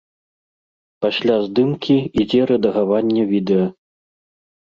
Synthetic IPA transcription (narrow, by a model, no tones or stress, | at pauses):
pasʲlʲazd̪ɨmkʲiid͡zʲɛɾɐd̪ɐɣavanʲːɐvʲid̪ɛjɐ